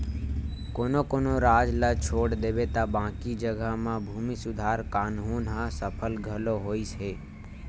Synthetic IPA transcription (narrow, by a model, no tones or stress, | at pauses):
koːnokoːnoɾaːd͡ʒlat͡ʃʰoːɽd̪eːbet̪abãːkid͡ʒəɡəmãbʱuːmisʊd̪ʱaːɾkaːnɦuːnɦãsəpʰəlɡʱəloɦoːisɦeː